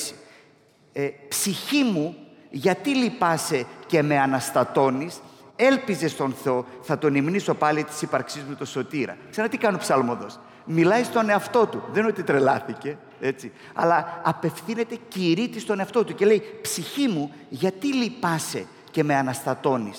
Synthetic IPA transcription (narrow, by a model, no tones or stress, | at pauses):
si̥ | epsiçimuʝɐt̪ilipɐse̞ce̞me̞ɐnɐst̪ɐt̪o̞nise̞lpize̞st̪o̞nθe̞o̞θɐt̪o̞nimniso̞pɐlit̪i̥sipɐɾksizmut̪o̞so̞t̪iɾɐ̰kseɾɐnɐt̪ikɐnopsɐlmoðo̞s | milɐjst̪o̞ne̞ɐft̪o̞t̪uðenot̪it̪ɾe̞lɐθice̞ | e̞t͡si | ɐ̰lɐɐpe̞fθine̞t̪e̞ciɾit̪ist̪o̞ne̞ɐft̪o̞t̪uce̞le̞jpsiçimu | ʝɐt̪ilipɐse̞ | ce̞me̞ɐnɐst̪ɐt̪o̞nis